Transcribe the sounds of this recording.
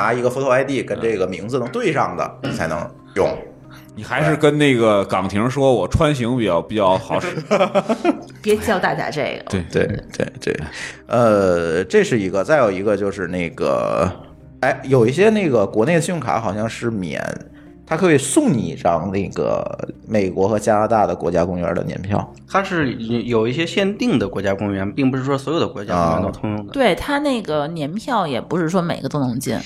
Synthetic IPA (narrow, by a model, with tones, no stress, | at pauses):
na˧˥i˧˥ɡə˧fu˧˥t̪ʰa˥ɪt̪i˥˩kə˥nʈ͡ʂe˥˩ɡə˩mi˧˥ŋd͡zɹ̩˧nɤ˧˥ŋt̪we˥˧ɪʂɑ˥˩ŋd̪ə̰˩ni˨˩t͡sʰa˧˥ɪnɤ̰˧˥ŋ | jʊ˥˩ŋ | ni˨˩xa˧˥ɪʂɻ̩˥˧kə˥nne˥˩ɡə˩kɑ˨˩ŋt̪ʰi˧˥ŋʂwɔ˥wɔ˨˩ʈ͡ʂʰwa˥nɕ̬i˧˥ŋpi˨˩t͡ɕjɑ˥˩ʊpi˨˩t͡ɕjɑ˥˩ʊxɑ˨˧˥ʊʂɻ̩˧˥ | pjɛ˧˥t͡ɕi˧˥jɑ˥˧ʊt̪a˥˩t͡ɕja̰˧˩ʈ͡ʂe˥˩ɡə˩˥˩t̪wḛ˥˩ɪt̪wḛ˥˩ɪt̪wḛ˥˩ɪə˧ʈ͡ʂe˥˧ʂɻ̩˥˩i˧˥ɡə˧t͡sa˥˩ɪjo˨˩ʊi˧˥ɡə˧t͡ɕjo˥˧ʊʂɻ̩˥˧ne˥˩ɪɡ̥ə̰˩ | a˥ɪjo˨˩ʊi˥˩ɕ̬jɛ˥ne˥˩ɡə˩kwɔ˧˥ne˥˩ə˩ɕy˥˩ŋkʰa̰˧˥xɑ˨˩ʊɕjɑ˥˧ŋʂɻ̩˥˩mjɛ̰˨˩˦n | t̪ʰa˥kʰɤ˧˥we˨˧˩ɪsʊ˥˩ŋnḭ˨˩ʈ͡ʂɑ˥˧˥ŋne˥˩ɡə̰˩me˨˩ɪkwɔ˧˥xɤ˧˥t͡ɕja˥la˧˥t̪a˥˩d̪ə˩kwɔ̰˧˥t͡ɕja˥kʊ˥ŋɥɛ̰˧˥də̰˧njɛ̰˧˥npʰjɑ̰˥˩ʊ | t̪ʰa˥ʂɻ̩˥˩jo˨˩ʊi˥˩ɕjɛ˥ɕjɛ˥˧nt̪i˥˩ŋd̪ə˩kwɔ˧˥t͡ɕja˥kʊ˥ŋɥɛ˧˥npi˥˩ŋpu˧˥ʂɻ̩˥˩ʂwɔ˥swɔ˧˥jo˨˩d̪ə˦kwɔ˧˥t͡ɕja˥˧˥t̪o˧ʊt̪ʰʊ˥ŋɻʊ˥˩ŋd̪ət̪we˥˩ɪt̪ʰa˥ne˥˩ɪɡə˩njɛ˧˥npʰjɑ˥˩ʊjɛ˨˩pu˧˥ʂɻ̩˥˩ʂwɔ˥me˨˩ɪɡə˧˦t̪o˥ʊnʊ˧˥ŋt͡ɕi˥˩n